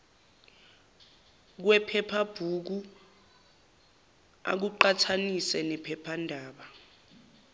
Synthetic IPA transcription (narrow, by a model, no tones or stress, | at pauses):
k̬wɛpʰɛpʰab̥ʱuk̬u | a̰k̬uǃatʰanisɛnɛpʰɛpʰandʱaːɓa